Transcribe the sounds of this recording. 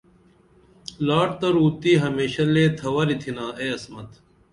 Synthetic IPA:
laːʈt̪ɐɾuːt̪iːɦɐmeːɕɐleːt̪ʰɐʋɐɾit̪ʰinaːeːɐsmɐt̪

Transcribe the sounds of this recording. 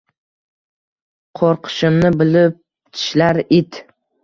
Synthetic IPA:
qʰoɾqʰɨ̥ʃɪmnɪbɪlɪp̚ | t̪ʰɪ̥ʃlaɾɪt̪

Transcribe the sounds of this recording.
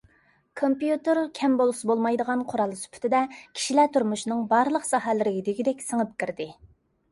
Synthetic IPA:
kʰompjut̪ɨɾkʲʰɛmbolˠsɨbolˠmɑjd̪əʁɑnqʰʊɾɑlˠsy̥pʰy̥t̪ʰɪd̪ɛkʲʰi̥ʃilɛt̪ʰuɾmuʃnɨŋbɑɾlˠəqsɑɦɛlɪɾɪɡʲid̪ɪɡʲid̪ɛkʲsəŋəp̚kʲiɾd̪ɪ

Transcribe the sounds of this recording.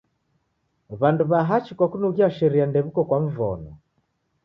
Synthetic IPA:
βanduβaɦat͡ʃikwakunɔɣiaʃɛɾiandɛβukɔkwaɱ̩vɔ̰nɔ

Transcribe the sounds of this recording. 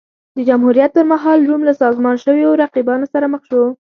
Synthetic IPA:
d̪əd͡ʒamhuɾijat̪̚pəɾmaɦɑlɾumlasɑzmɑnʃəwjoɾaqibɑnosaɾaməxʃo

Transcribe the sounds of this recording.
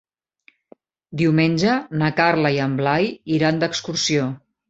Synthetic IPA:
d̪iwmenʲʒənəkaɾləiəmblajiɾand̪əkskursio

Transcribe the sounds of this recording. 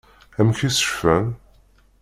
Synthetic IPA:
æmçisə̥ʃfæn

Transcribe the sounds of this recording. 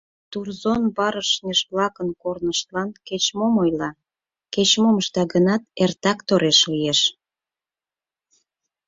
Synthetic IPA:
t̪urzonbɑɾəʃnʲeʃβlɑkənkornəʃt̪lɑnket͡ɕmomojlɑ | ket͡ɕmoməʃt̪ɑɡənɑt̪ert̪ɑkt̪oɾeʃlijeʃ

